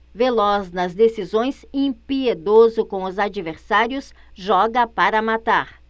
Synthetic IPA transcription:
velɔznɐzd̪esizõj̃sẽpied̪ozʊkõw̃ʊzad͡ʒiveɾsaɾjʊs | ʒɔɡɐpaɾɐmat̪aɾ

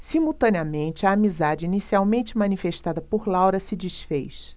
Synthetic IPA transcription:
simuwt̪ɐ̃niɐmẽnt͡ʃɪɐːmizad͡ʒɪinisiawmẽnt͡ʃɪmɐ̃nifeʃt̪ad̪ɐpoɾlawɾɐsɪd͡ʒiʃfḛjʃ

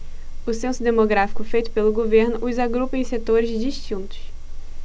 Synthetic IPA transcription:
ʊsẽsʊd̪emoɡɾafi̥kʊfejt̪ʊ̥pelʊɡoveɾnʊʔʊzaɡɾupẽset̪oɾɪzd͡ʒiʃt͡ʃĩnt̪ʊ̥s

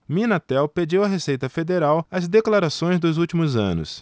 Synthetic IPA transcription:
mĩnat̪ɛwped͡ʒiwɐɦesejt̪ɐfed̪eɾawɐzd̪eklaɾasõj̃zd̪ʊzuwt͡ʃimʊzɐ̰̃nʊ̰s

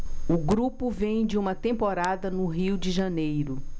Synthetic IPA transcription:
ʊɡɾupʊvẽj̃d͡ʒɪũmɐt̪ẽmpoɾad̪ɐnʊɦiwd͡ʒɪʒɐnejɾʊ

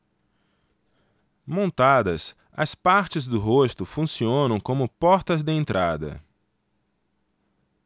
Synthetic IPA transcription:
mõnt̪ad̪ɐs | ɐ̰spaɾt͡ʃɪzd̪ʊɦost̪ʊfũsiõnɐ̃w̃kõmʊpɔɾt̪ɐzd̪ɪẽnt̪ɾʔad̪ɐ̰

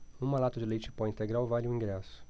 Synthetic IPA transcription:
ũmalat̪ʊd͡ʒɪlejt͡ʃɪ̥pɔĩnt̪eɡɾawvalɪũĩŋɡɾɛsʊ̥

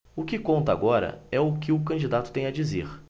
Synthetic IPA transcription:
ʊkɪkõnt̪ɐa̰ɡɔɾɐ̰ɛʊkɪʊkɐ̃d͡ʒid̪at̪ʊt̪ẽj̃ɐd͡ʒizeɾ

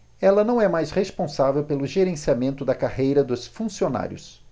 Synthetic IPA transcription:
ɛlɐnɐ̃w̃ɛmajshespõsavewpelʊʒeɾẽsiamẽnt̪ʊd̪ɐkahejɾɐd̪ʊsfũsiona̰ɾjʊ̰s

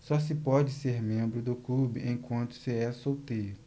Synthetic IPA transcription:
sɔsɪpɔd͡ʒɪseɾmẽmbɾʊd̪ʊklubɪʔẽj̃kwɐ̃nt̪ʊ̥sɪɛsowt̪ejɾʊ

